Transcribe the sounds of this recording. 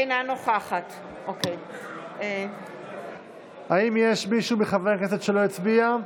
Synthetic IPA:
jnanoχaχat | ʔokeje | haimjeʃmiʃumeχavekesetʃelo̞it͡sbia

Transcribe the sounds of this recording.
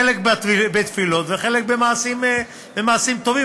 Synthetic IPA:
elekbat̪bet̪filo̞t̪veχe̞lek̚bemaːsim | bemaːsimt̪o̞vi

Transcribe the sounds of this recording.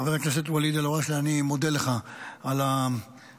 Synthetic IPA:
avalaknas̬et̪walid̪aloʁaʃeanimod̪eleχaala

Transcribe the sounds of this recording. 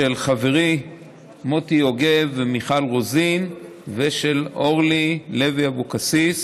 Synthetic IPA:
elχaveʁi | motio̞ɡevemiχalʁozin | veʃeloʁlileviabokasis

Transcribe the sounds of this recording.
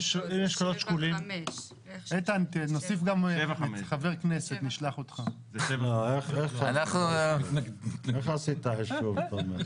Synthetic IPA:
ʃineʃkolot̪ʃkulim | et̪antinosifɡameamχaveʁkneset̪niʃlaχot̪χa | eoeχeχanaχnu | eχasit̪aeʃʃuvtome

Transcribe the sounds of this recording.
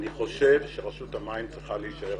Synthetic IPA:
niχo̞ʃe̞vʃeʁaʃut̪amaimt͡sʁiχaleiʃae

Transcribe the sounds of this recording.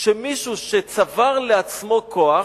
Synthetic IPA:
ʃemiʃuʃet͡savaʁleat͡smo̞kʰo̞a

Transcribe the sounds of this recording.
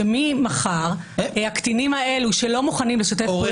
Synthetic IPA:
mimaχaʁ | eakt̪inimae̞luʃelo̞muχanimleʃot̪̬e

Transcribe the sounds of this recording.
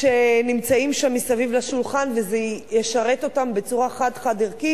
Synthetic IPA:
ʃenimt͡saimʃamːisavivlaʃulχanvezejeʃaʁeto̞tambet͡suʁaχadχadiʁki

